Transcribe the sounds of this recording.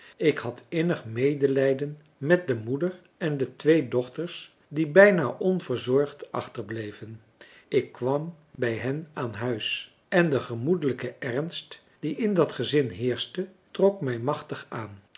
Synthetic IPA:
ɪkhɑtɪnəχmejdəlɛjdən | mɛt̚dəmudər | ɛndətʋejdɔχtəɹs | dibɛjnaːʔɔnvəɹzɔɹχtɑ̰χtəɹblejvən | ɪkːʋɑm | bɛjɦɛnaːnɦœɥs | ɛndəχəmudələkəɛrnst | d̥iʔɪndɑtχəzɪnɦɪːɹstə | trɔkmɛjmɑχtəχaːn

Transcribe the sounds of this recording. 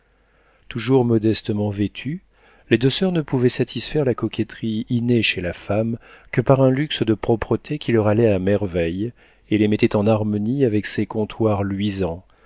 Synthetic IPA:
t̪uʒuʁmɔd̪ɛst̪əmɑ̃vet̪ʰy | led̪øsœʁnəpuvɛsat̪ʰisfɛʁlakɔkʲɛt̪χiineʃelafamkəpaʁɛ̃lyksəd̪əpχɔpχət̪ʰekʲilœʁalɛamɛʁvɛj | elemɛt̪ɛt̪ɑ̃naʁmɔniavɛksekɔ̃t̪ʰwaʁlɥizɑ̃

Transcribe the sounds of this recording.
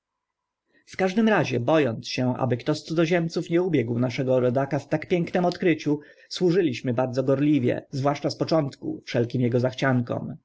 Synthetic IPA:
fkaʐd̪ɘmɾaʑɛbɔjɔnt̪sɕɛʔa̰bɘkt̪ɔst̪sud̪ɔʑɛmt̪sufɲɛubʲjɛɡwnaʂɛɡɔɾɔd̪akaft̪akpʲjɛŋknɛmɔt̪kɾɘt͡ɕu | swuʐɘlʲiɕmɘbaɾd̪zɔɡɔɾlʲivʲjɛ̰zvwaʂt͡ʂaspɔt͡ʂɔnt̪kṵfʂɛlkʲimjɛɡɔzaxt͡ɕaŋkɔ̰m

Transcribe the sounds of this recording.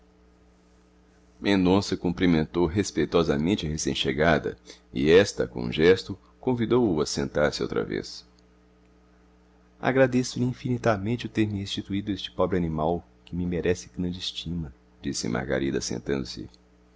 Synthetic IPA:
mẽnd̪õsɐkũmpɾimẽnt̪owɦespejt̪ɔzɐmẽnt͡ʃɪɐhesḛ̃j̃ʃeɡad̪ɐ̰ɪɛst̪ɐ̰kõṵ̃ʒɛst̪ʊ | kõvid̪owʊɐsḛ̃nt̪aɾsɪo̰wt̪ɾɐ̰vḛs | a̰ɡɾad̪esʊlĩfinit̪amẽt͡ʃɪʊt̪eɾmɪhest͡ʃit̪uid̪ʊest͡ʃɪ̥pɔbɾɪɐnĩmaw | kɪmɪmeɾʔɛsɪɡɾɐ̃nd͡ʒist͡ʃĩmɐ | d͡ʒisɪ̰mʔa̰ɾɡa̰ɾid̪ɐsḛ̃nt̪ɐ̃nd̪ʊsɪ̰

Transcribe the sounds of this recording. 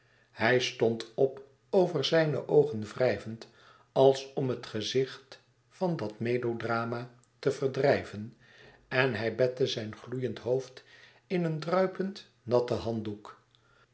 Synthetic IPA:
hɛjstɔntɔp | owvəɹzɛjnə̰ʔowχənvrɛjvənt | ɑlˠsɔmɦətχəzɪχt | fɑndɑtmedowdraːma | təv̥əɹdrɛjvən | ɛnɦɛjbɛtəzɛjnχlujəntɦowft | ɪnəndrœɥpənt | nɑtəɦɑnduk

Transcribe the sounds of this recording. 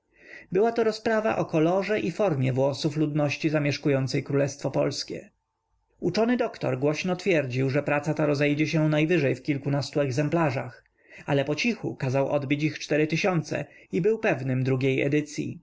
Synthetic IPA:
bɘwat̪ɔɾɔspɾava̰ʔɔkɔlɔʐɛʔifɔɾmʲjɛvwɔsuflud̪nɔɕt͡ɕizamʲjɛʂkujɔnt̪sɛjkɾulɛst̪fɔpɔlskʲɛ̰ | ut͡ʂɔnɘd̪ɔkt̪ɔ̰ɾɡwɔɕnɔt̪fʲjɛɾd͡ʑiwʐɛpɾat̪sat̪aɾɔzɛjd͡ʑɛɕɛnajvɘʐɛjfkʲilkunast̪uɛɡzɛmplaʐax | ʔalɛpɔt͡ɕixṵkazawʔɔ̰d̪bʲit͡ɕixt͡ʂt̪ɛɾɘt̪ɘɕɔnt̪sɛ̰ibɘwpɛvnɘmd̪ɾuɡʲejɛ̰d̪ɘt̪sʲjḭ

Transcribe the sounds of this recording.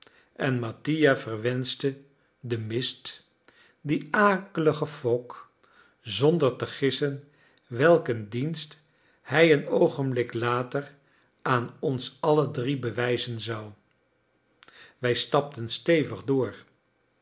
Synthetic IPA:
ɛnmatijavərʋɛnstə | dəmɪst | diaːkələχəfɔk | zɔndəɹtəχɪsən | ʋɛlˠkəndinst | hɛjənowχənblɪklaːtər | ʔaːnɔnsɑlədribəʋɛjzənzɑw | ʋɛjstɑp̚tənstejvəχdʊːr

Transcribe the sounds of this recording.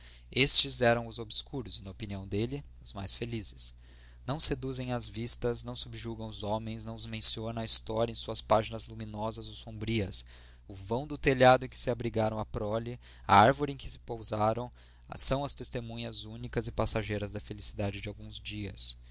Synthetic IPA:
est͡ʃɪzɛɾɐ̃w̃ʊzobɪskuɾʊznɐopiniɐ̃w̃d̪elɪ | ʊzmajsfelizɪs | nɐ̃w̃sed̪uzẽj̃ɐzvist̪ɐznɐ̃w̃subɪʒuɡɐ̃w̃ʊzõmẽj̃snɐ̃w̃ʊzmẽsionɐ̃ɐist̪ɔɾɐẽsuɐspaʒinɐzluminɔzɐzʊsõmbɾiɐs | ʊvɐ̃w̃d̪ʊt̪eʎad̪ʊẽkɪ̥sɪabɾiɡaɾɐ̃w̃ɐpɾɔlɪ | ɐ̰aɾvoɾɪẽkɪ̥sɪ̥powzaɾɐ̃w̃ | sɐ̃w̃ɐst̪est̪emũɲɐzunikɐzɪpasaʒejɾɐzd̪ɐfelisid̪ad͡ʒɪd͡ʒɪawɡũzd͡ʒiɐ̰s

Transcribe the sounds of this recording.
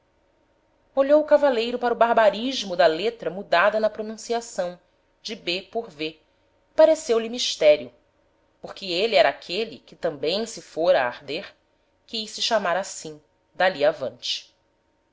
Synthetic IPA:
oʎowʊkavalejɾʊpaɾɐʊbaɦbaɾiʒmʊd̪ɐlet̪ɾɐmud̪ad̪ɐnɐpɾonũsiasɐ̃w̃ | d͡ʒɪbepoɾve | paɾesewlimiʃt̪ɛɾjʊ | poχkɪeliɛɾɐakʰelikɪt̪ɐ̃mbẽj̃sɪfoɾɐːɾd̪eɾ | kɪisɪʃamaɾasĩ | d̪aliavɐ̃nt͡ʃɪ̥

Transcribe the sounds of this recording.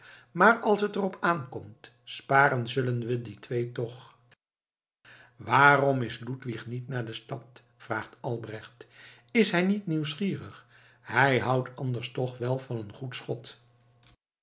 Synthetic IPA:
maːrɑlˠsɦətərɔpaːnkɔmt | spaːɾənzɵlənʋəditʋejtɔχ | ʋaːrɔmɪslutʋiχnitnaːɹdəstɑt | fraːχtɑlˠbrɛχt | ɪsɦɛjnitniwsχiːrəχ | ɦɛjɦʌwtʰɑndəɹstɔχʋɛlˠvɑnənχutsχɔt

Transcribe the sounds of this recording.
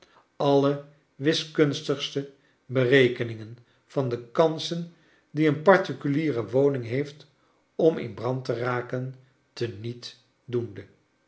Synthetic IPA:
ɑlə | ʋɪskɵnstəχstə | bərejkənɪŋən | v̥ɑndəkɑnsən | diənpɑɹtikyliːrəʋownɪŋɦejft | ɔmɪ̰nbrɑntəraːkən | tənit | dundə

